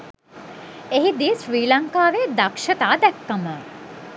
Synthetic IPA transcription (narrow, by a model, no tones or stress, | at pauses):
eɦid̪iːsʋiːlaŋkaːʋed̪akʃɐt̪aːd̪ɛkːɐmə